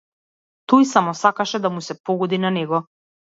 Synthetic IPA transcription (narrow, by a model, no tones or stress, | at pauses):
t̪ɔjsamɔsakaʃɛd̪amusɛpɔɡɔd̪inanɛɡɔ